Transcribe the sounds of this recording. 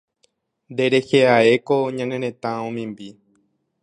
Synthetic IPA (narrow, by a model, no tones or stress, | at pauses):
nd̪e̞ɾe̞heae̞koɲãnẽɾẽ̞t̪ãõmĩmbi